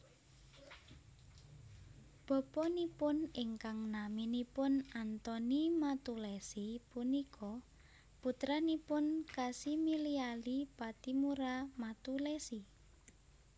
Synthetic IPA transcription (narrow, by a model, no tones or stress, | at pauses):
b̥ɔ̤pɔnipʊnɪŋkaŋnaminipʊnant̪ɔnimat̪ulɛsipunikʰɔ | put̪ɾanipʊnkasimilialipat̪imuɾamat̪ulɛsi